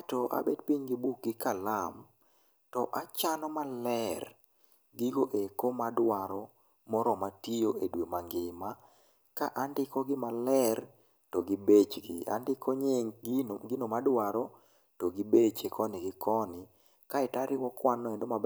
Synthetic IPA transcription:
tɔʔa̰bedpiɲɡibuk̚ɡɪkalam | tɔʔat͡ʃanɔmalɛr | ɡiɡoʔekomadwaɾɔ | mɔɾɔmatijoedwemaŋɡɪma | kaʔandɪkɔɡɪmalɛr | toɡibet͡ʃɡɪ̰a̰ndɪkʰoɲeɡinomadwaɾɔ | toɡibet͡ʃekʰɔnɪɡɪkʰɔnɪ | kaɛtaɾɪwɔkwanːɔendoma

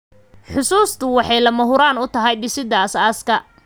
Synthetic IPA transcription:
ħʊsuːst̪ʰʊwɑħɑjlɐmɐɦʊɾaːnʊt̪ʰɐɦɐjɖɪsɪd̪ɐɐsaːskʰɐ

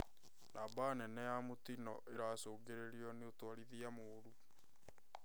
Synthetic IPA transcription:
nʔabanɛnɛjamotinɔʔeɾasoːɡeɾeɾiɔneotwaɾiðiamoːɾu

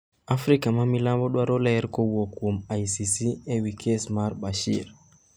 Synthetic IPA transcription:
ʔafɾikamamilambɔɗwaɾɔlajɛɾkɔwɔkɔmajsisiɛwikʰɛsmaɾbaʃḭɾ

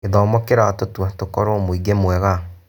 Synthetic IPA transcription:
eðɔːmɔkeɾatotwatokɔɾɔmoiɡemwɛɣa

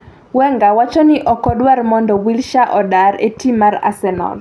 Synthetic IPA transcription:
wɛŋɡawat͡ʃɔnɪʔɔkɔdwarmɔndɔwilʃaʔɔdaɾḛtimaɾa̰sɛnɔ̰l

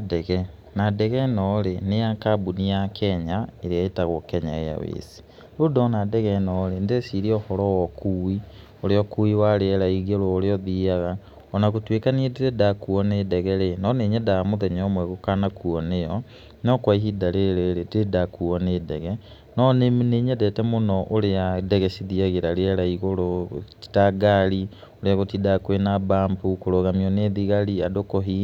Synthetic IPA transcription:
dɛɣɛ | nadɛɣɛnɔɾenejakabunijakʰɛɲaeɾeaitaɣokɛɲa̰eja̰wḛːsi̥ | ɾodɔnadɛɣɛnɔɾendesiɾiɔhɔɾɔwɔkʰuwi | oɾeɔkuiwaɾeɛɾaiɣeɾooɾeɔðiaɣa | ɔnakutwekaniediɾedakuɔnedɛɣɛɾenɔneːɲɛdamoðɛɲɔmwɛɣokanakuɔnejɔ | nɔkwaiɦidaɾeɾeɾededakuɔneːdɛɣɛ | nɔnemneɲɛdɛtɛmonɔʔoɾeadɛɣɛsiðiaɣeɾaɾeɛɾaiɣoɾoti̥taɡaɾi | oɾeaɣotidakwenabampukoɾoɣamiɔneðiɣaɾiadokɔɦi

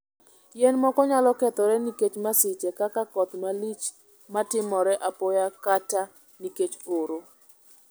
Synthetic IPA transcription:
jɛnmɔkɔɲalɔkɛt̪ɔɾɛniket͡ʃmasɪt͡ʃɛkakakɔt̪malit͡ʃ | matɪmɔɾɛʔapɔjakata | niket͡ʃoɾo

